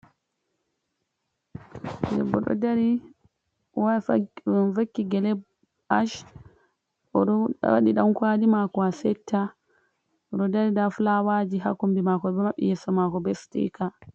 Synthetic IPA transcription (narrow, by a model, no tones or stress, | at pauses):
dɛ̰bːɔ̰ɗɔ̰daɾi | wa | fakːiɡɛlɛb | aʃ | ɔɗɔ̰wa̰ɗiɗamkwadimakɔasɛtʰːa | ɔɗɔdaɾidaflawad͡ʒiɦa̰kombimakɔbɛmaɓḭjɛsɔmakɔbɛstḭka